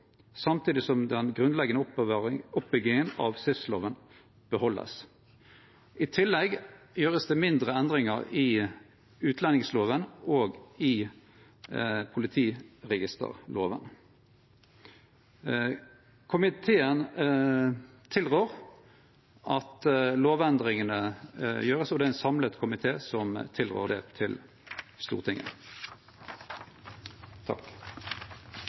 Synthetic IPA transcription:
sɑmt̪ʰiːd̪ɪsɔmd̪ɛnɡʁʉnlɛɡənə | ʊpːɛɡɪŋənɑ̰ʋsʏfslo̰ːʋən | b̥əhɔlːə̰s | ʔɪt̪ʰɪlːɛɡjøːʁəsd̪eːmɪnd̪ʁəɛnd̪ʁɪŋəʁɪ | ʉːt̪lɛnɪŋsloːʋənoːɡɪ | pʰʊlɪt̪ʰiːʁɛɡɪst̪ə̰ʁlo̰ːʋə̰n | kʰʊmɪt̪ʰeːən | t̪ʰɪlʁøːʁ | ɑt̪loːʋɛnd̪ʁɪŋənəjøːʁəsɔd̪ɛɛnsɑmlət̪kʰʊmɪt̪ʰeːsɔmt̪ʰɪlʁø̰ːʁd̪ɛt̪ʰɪl | st̪ṵːʁt̪ʰɪŋːə̰n | t̪ʰɑ̰k

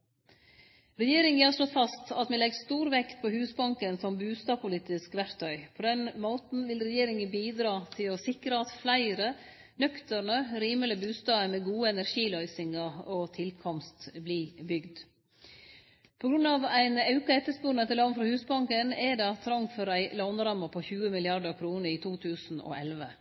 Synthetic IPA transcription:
ɾɛjeːɾɪŋəhɑʂɭɔt̪fɑst̪ɑt̪mɛlɛɡst̪uːɾʋɛkt̪pʰɔhʉːsbɑŋkənsɔmbʉːst̪ɑːpʰʊliːt̪ɪskʋæɾt̪ʰœʏpʰɔd̪ɛnmoːt̪n̩ʋɪlɾɛjeːɾɪŋənbiːd̪ɾɑːt̪ʰɪlɔsɪkɾəɑt̪flæɪɾə | nœkt̪əɾɳəɾiːmələbʉːst̪ɑːəmɛɡuːəɛnæɾʂiːlœʏsɪŋɑɔt̪ʰɪlkʰɔmst̪bliːbʏɡd̪ | pʰɔɡɾʉnɑʋæɪnɑʉkɑɛt̪ːəspuːɾnət̪ɛlɑnfɾɑhʉːsbɑŋkənɛd̪ɛɑt̪ʰːɾɑŋfœɾæɪlonɾɑmɑpʰɔçʉːəmɪlɪɑɾɖəɾkʰɾuːnəɾiːt̪ʰuːt̪ʰʉːsn̩ɔ̰ʔɛlʋə

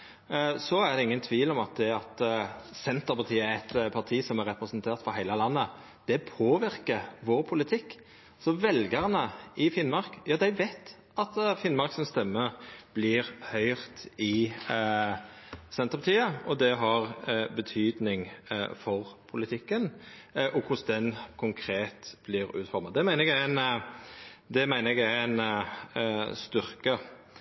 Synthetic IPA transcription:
sɔæʁd̪ɛɪŋːənt̪ʰʋiːlɔmɑt̪̚d̪ɛɑt̪sɛnt̪əɾpɑʁt̪ʰiːəæɛt̪pʰɑɾt̪ʰiːsɔmæɾɛpɾɛsənt̪ʰeːɾt̪fɔɾɦæɪləlɑnːə | d̪̥ɛpʰoːʋɪɾkəʋoːɾpʰʊlɪt̪ʰɪkː | sɔʋɛlɡəʁənəɪfɪnmɑɾkjɑːd̪æɪʋæɪt̪ | ʔɑt̪fɪnmɑɾksɔnst̪ɛmːəb̥lɪɾhœʏʁt̪ɪ | sɛnt̪əʁpʰɑt̪ʰiːəɔd̪ɛɦɑʁbət̪ʰyːd̪nɪŋfɔʁpʰʊlɪt̪ʰɪkːənʔɔkʰʊsd̪ɛnkʰʊŋkʰɾeːt̪b̥lɪɾʉ̰ːt̪fɔɾmɑd̪ɛmæɪnəɛɡææn | d̪ɛmæɪnəɛɡææn | st̪ʏɾkə

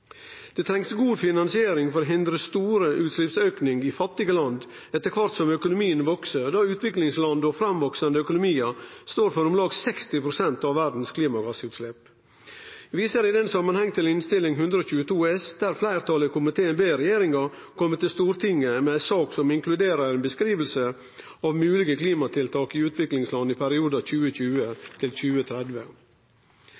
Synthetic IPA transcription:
d̪̥ɛt̪ʰɾɛŋsɡuːd̪fɪnɑnsɪeːɾɪŋfɔɾoɦɪnd̪ɾəst̪uːɾəʔʉːt̪slɪpsøːknɪŋɪfɑt̪ːɪɡəlɑnd̪ | ɛt̪ːəɾkʰʋɑɾt̪sɔmœkʊnʊmiːənʋɔksəɾd̪ɑʉːt̪ʰʋɪklɪŋslɑnd̪ɔfɾɑmʋɔksɑnd̪əœkʊnʊmiːəst̪oːɾfɔɾʊmlɑːɡsɛkst̪ɪpʰɾʊsɛnt̪ɑʋːæɖn̩skʰliːmɑɡɑsəʉːt̪slɛp | ʋiːsəɾɪd̪ɛnsɑmːɑnhɛŋːt̪ʰɪlɪnst̪ɪlːɪŋɦʉnd̪ɾəɔːc͡çʉːət̪ʰuːɛsd̪̥æɾflæɪɾt̪ʰɑləkʰʊmɪt̪ʰeːənbeːɾɛjeːɾɪŋɑɾ | kʰɔmːət̪ːɪlst̪uːɾt̪ʰɪŋːəmɛæɪsɑːksɔmɪŋkʰlʉd̪eːɾəɾɛɪnbəskɾiːʋəlsə | ɑʋmʉːlɪɡəkliːmɑt̪ʰɪlt̪ʰɑːkɪʉːt̪ʰʋɪklɪŋslɑnd̪ɪpʰæɾɪuːd̪ɑc͡çʉːəc͡çʉːət̪ʰɪlc͡çʉːət̪ʰɾɛd̪ʋə

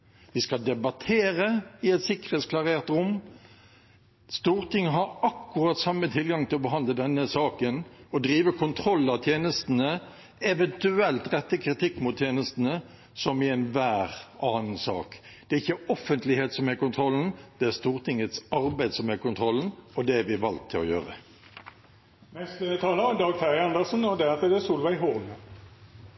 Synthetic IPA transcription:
ʋɪskɑd̪ɛbɑt̪ʰeːɾəɪɛt̪sɪkːəʁeːt̪skʰlɑʁeːʁt̪ɾʊmː | st̪uːʁt̪ɪŋːəɦɑɾɑkːʉʁɑt̪sɑmːət̪ʰɪlɡɑŋt̪ʰɪlɔbəɦɑnd̪ləd̪ɛnːəsɑːkənɔd̪ɾiːʋəkʰʊnt̪ʰɾɔlːɑt̪ʰjeːnəst̪nə | ɛʋɛnt̪ʉɛlt̪ʁɛt̪ːəkʰɾɪt̪ʰɪkːmʊt̪ʰːjeːnəst̪ənə | sɔmɪɛnʋæːʁɑːn̩sɑ̰ːk | d̪̥ɛɪçːəɔfənt̪lɪheːt̪sɔmhɛkʊnt̪ʰɾɔlːn̩d̪̥ɛæɾst̪uːʁt̪ʰɪŋːət̪sɑɾbæɪd̪sɔmhɛkʊnt̪ʰʁɔln̩ɔd̪ɛʋɪʋɑlt̪ʰːɪlɔ̰jøːʁə̰ | nɛst̪ət̪ʰɑːləd̪ɑːɡfæʁɪɑnd̪əʁsn̩ɔd̪ɛɑt̪əd̪ɛsuːlʋæɪɦoʁlə

